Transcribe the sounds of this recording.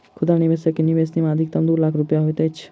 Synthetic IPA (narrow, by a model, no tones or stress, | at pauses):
kʰʊd̪aniʋesekiniʋesnimãəd̪ʱik̚t̪ɐmd̪uːlakʰɾʊpjaɦojt̪et͡ʃʰ